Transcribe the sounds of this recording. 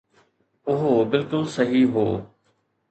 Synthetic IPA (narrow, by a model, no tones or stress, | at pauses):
ʊɦobɪlkʊlsɐɦiɦoː